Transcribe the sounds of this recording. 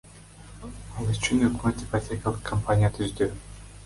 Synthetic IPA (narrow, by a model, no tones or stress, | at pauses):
ɑlˠyt͡ʃynøkmøt̪ipatʲʰekʲalˠɯqkʰːɐmpanʲijat̪ʰyzd̪y